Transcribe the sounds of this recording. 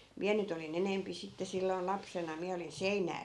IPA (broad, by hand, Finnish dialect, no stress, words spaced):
miæ nyt olin enempi sitːe silːoi̯n lɑpsenɑ miæ olin seinæː